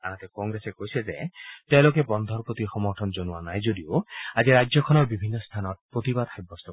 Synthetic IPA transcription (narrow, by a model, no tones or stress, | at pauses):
a̰nãt̪ekɔŋɡɾesekoɦjsʰed͡ʒet̪ewlokebɔnd̪ʱɔɾpɾot̪ixɔmɔɾʈʰɔnd͡ʒonuanajd͡ʒod̪ioad͡ʒeɾad͡ʒjɔkʰɔnɔɾbibʱinːɔst̪ʰanɔɾpɾot̪ibad̪ajbɔst̪ɔ